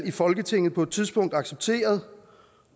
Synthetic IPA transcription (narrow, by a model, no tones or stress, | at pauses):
ifɒ̽lɡ̥ət͡sʰe̝ŋ̰ð̩ˠpʰɒ̽ed̥t͡sʰið̞ˠsb̥ɔ̽ŋ̰d̥ɑ̈ɡ̥seb̥̚t͡sʰe̝̰ːɐð̞ˠ